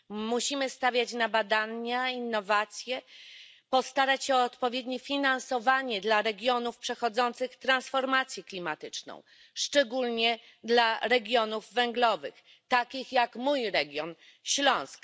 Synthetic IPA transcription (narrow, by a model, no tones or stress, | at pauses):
muɕimɘst̪avʲjat͡ɕnabad̪aɲainːɔvat̪sʲjɛ | pɔst̪aɾat͡ɕɔːt̪pɔvʲjɛd̪ɲifʲinansɔvaɲɛd̪laɾɛɡʲjɔnufpʂɛxɔd̪zɔnt̪sɘxt̪ɾansfɔɾmat̪sʲjɛklʲimat̪ɘt͡ʂnɔ̰̃w̃ | ʂt͡ʂɛɡulɲɛ | d̪laɾɛɡʲjɔnuvːɛŋɡlɔvɘ̰x | t̪akʲixjakmujɾɛɡʲjɔn | ɕlɔ̃w̃sk